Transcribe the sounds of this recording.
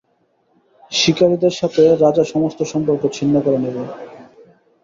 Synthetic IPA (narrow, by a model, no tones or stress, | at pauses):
ʃikaɾid̪eɾʃat̪ʰeɾad͡ʑaʃɔmost̪oʃɔmpoɾkot͡ɕʰinːakɔɾanibe